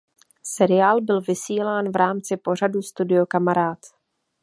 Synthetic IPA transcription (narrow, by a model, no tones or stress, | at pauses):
sɛɾɪjaːlbɪlvɪsiːlaːnvɾaːmt͡sɪpo̞r̝adust̪udɪo̞kamaɾaːt̪